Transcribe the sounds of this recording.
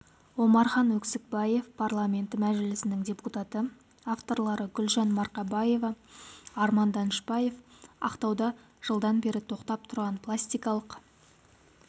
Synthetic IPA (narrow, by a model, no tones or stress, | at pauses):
wo̞mɑɾχɑnwɵksɪk̚bɑje̞fpʰarlˠamʲe̞nt̪ɪmæʒɪlɪsɪnɪŋdʲe̞put̪at̪ə | aft̪o̞ɾlˠɑɾəɡʲʏlʒɑnmɑɾqɑbɑje̞vɑɑɾmɑnd̪ɑnʃbɑje̞fɑ̰qt̪ɑwd̪ɑ | ʒ̥əlˠd̪ɑnbe̞ɾɪt̪ʰo̞qt̪ɑp̚t̪ʰʊɾʁɑnpʰlˠasʲt̪ʲijkɑlˠəq